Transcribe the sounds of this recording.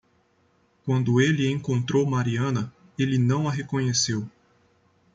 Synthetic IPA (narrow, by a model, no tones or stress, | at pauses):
kwɐ̃nd̪ʊelɪẽŋkõnt̪ɾowmaɾiɐ̃nɐ | elɪnɐ̃w̃ɐɦekõɲesew